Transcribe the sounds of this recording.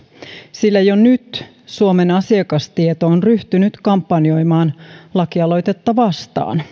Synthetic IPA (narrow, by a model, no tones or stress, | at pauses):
silːæjonyt̪ | suomenɑsiekɑst̪iet̪oonryht̪ynyt̪kɑmpːɑnio̞jmɑːnlɑkiɑlo̞jt̪et̪ːɑʋɑst̪ɑ̰ːn